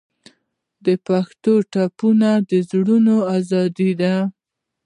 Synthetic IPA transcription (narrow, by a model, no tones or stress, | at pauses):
d̪əpaxt̪oʈapunad̪əzɽunoazɑd̪id̪a